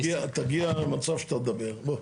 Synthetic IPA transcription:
iat̪aɡiamat͡savʃt̪at̪̚d̪abɛʁbo

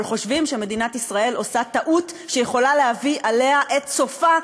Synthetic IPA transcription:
lχo̞ʃvimʃe̞me̞dinatisʁae̞lo̞sat̪aʔutʃejeχo̞lalehaviʔale̞ɦaʔe̞t̪t͡so̞fa

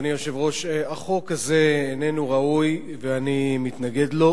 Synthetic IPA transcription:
nijo̞ʃe̞vʁo̞ʃeaχo̞kazeːne̞nuʁauj | veanimit̪naɡe̞d̪lo̞

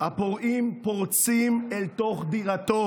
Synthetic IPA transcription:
hapoʁʔimpoʁt͡simelt̪o̞χd̪iʁat̪o

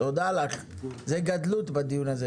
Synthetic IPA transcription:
od̪alaχ | zeɡad̪lut̪bad̪ijunaze

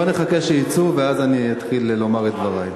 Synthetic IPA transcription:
aneχakeʃejit͡suveazaniat̪χillo̞maʁet̪̚dvaʁaj

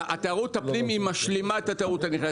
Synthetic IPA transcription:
at̪eaʁut̪apnimimaʃlimaet̪at̪eaʁut̪aniχa

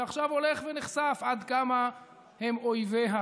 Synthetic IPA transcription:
aχʃavo̞leχveniχsafad̪kama | hemojveɦa

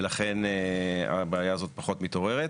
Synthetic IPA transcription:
laχe̞na̰beːjaːzo̞t̪̚paχo̞t̪mit̪o̞ʁe̞ʁet

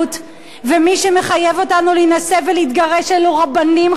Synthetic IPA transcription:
t | vemiʃe̞me̞χajevo̞tanulinase̞veleit̪ɡaʁe̞ʃeloʁabanim

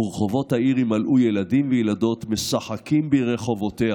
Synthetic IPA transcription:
ʁeχo̞vo̞thaiʁimalʔujeladimvejelado̞t̪mesaħakimbeʁeχo̞vo̞t̪e

